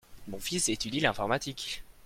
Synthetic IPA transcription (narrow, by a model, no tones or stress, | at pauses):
mɔ̃fiset̪yd̪ilɛ̃fɔʁmat̪ik